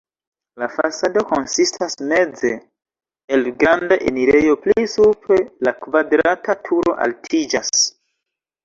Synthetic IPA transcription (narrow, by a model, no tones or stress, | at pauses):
lafa̰sado̞ko̞nsistʰasme̞d͡ze | elɡɾandaʔḛniɾe̞jo̞plisupɾe̞lakvadɾatatʰuɾo̞ʔa̰ltʰid͡ʒas